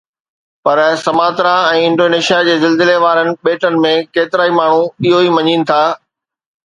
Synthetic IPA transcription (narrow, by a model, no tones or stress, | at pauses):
pɐɾsɐmaːt̪ɾaɛ̃ːɪ̃ɳɖoːneːʃijad͡ʑeːzɪlzɪleʋaːɾənɪ̆ɓeːʈənɪ̆mẽkeːt̪ɪɾaːimaːɳ̤uɪɦoiːmɐɲiːnɪ̆t̪ʰaː